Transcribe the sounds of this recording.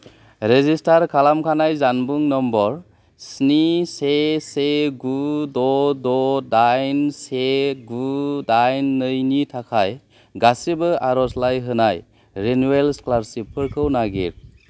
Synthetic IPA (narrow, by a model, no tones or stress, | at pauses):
ɾezistaɾkʰalamkʰanajzanbuŋnɔmbɔɾ | sniseseɡudɔdɔdajnseɡudajnːɯjnitʰakʰaj | ɡasibɯaɾɔslajɦɯnaj | ɾenuelsklaɾsipʰɯɾkʰɯwnaɡiɾ